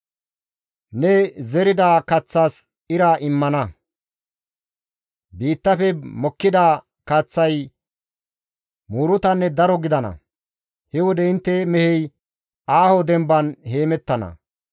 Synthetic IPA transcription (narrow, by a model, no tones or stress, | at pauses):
nɛzɛɾɪd̪aːkɐt͡sːaːs | ɪɾaʔɪmːɐnɐ | biːt̪ːɐfɛmɔkːɪd̪aː | kɐt͡sːɐj | muːɾʊt̪ɐnːɛd̪ɐɾɔɡɪd̪ɐnɐ̰ | hɛwɔd̪ɛɪnt̪ːɛmɛhɛj | aːhod̪ɛmbɐnhe̞ːmɛt̪ːɐnɐ̰